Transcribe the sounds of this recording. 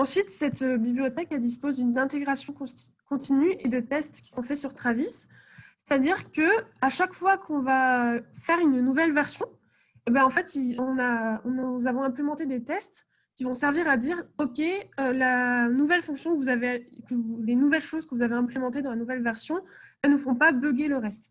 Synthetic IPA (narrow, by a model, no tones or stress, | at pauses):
ɑ̃sɥit̪sɛt̪øbiblijɔt̪ɛkɛd̪ispozd̪ynɛ̃t̪eɡʁasjɔ̃kɔ̃kɔ̃t̪inyed̪ət̪ɛst̪kʲi̥sɔ̃fɛsyʁt̪χavis | se̥t̪ad̪iʁkəaʃakfwakʰɔ̃vafɛʁynnuvɛlvɛʁsjɔ̃ | ebɛ̃ɑ̃fɛt̪iɔ̃nãnuzavɔ̃ɛ̃plemɑ̃t̪ed̪et̪ɛst̪ | kʲivɔ̃sɛʁviʁad̪iʁɔkʲeølanuvɛlfɔ̃ksjɔ̃kəvuzavekəvulenuvɛlʃozkəvuzaveɛ̃plemɑ̃t̪ed̪ɑ̃lanuvɛlvɛʁsjɔ̃ɛlnəfɔ̃pabøɡeləʁɛst̪